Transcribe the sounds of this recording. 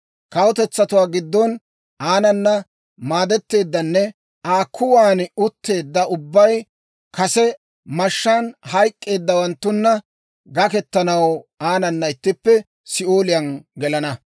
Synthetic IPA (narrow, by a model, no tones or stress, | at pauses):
kɐwʊt̪ɛt͡sːɐt̪ʊwaːɡɪd̪ːɔn | ʔaːnɐnːɐ | maːd̪ɛt̪ːe̞ːd̪ːɐnːɛ | aːkʰːʊwaːnʊt̪ːe̞ːd̪ːɐʊbːɐj | kɐsɛ | mɐʃːaːnhɐjkʼːe̞ːd̪ːɐwɐnt̪ːʊnːɐ | ɡɐkɛt̪ːɐnɐwaːnɐnːɐɪt̪ːɪpːɛ | sɪoːlɪjɐnɡɛlɐnɐ